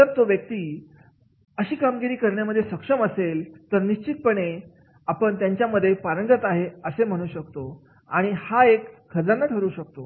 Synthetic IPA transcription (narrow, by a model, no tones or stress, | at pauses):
t̪əɾt̪oʋjək̚t̪iː | əɕiːkamɡiɾiːkəɾɳjaməd̪ʱjesəkʂəməselt̪əɾniɕt͡ɕit̪̚pəɳe | apəɳt̪jaɲt͡ɕjaməd̪ʱːjepaɾəŋɡət̪aɦeəsem̤əɽ̃ũːɕək̚t̪o | aɽ̃ihaekʰːəd͡zanːaʈʰəɾuːɕək̚t̪o